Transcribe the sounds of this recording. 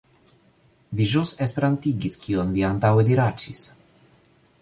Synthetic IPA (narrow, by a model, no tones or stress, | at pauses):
viʒusespeɾant̪iɡiskʰionviant̪awed̪iɾat͡ʃis